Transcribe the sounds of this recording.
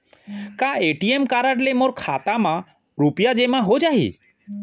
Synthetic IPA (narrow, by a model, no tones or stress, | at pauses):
kaeʈiemkaɾaʈ̬lemoɾkʰat̪ama | ɾupijad͡ʒemaɦod͡ʒaɦḭ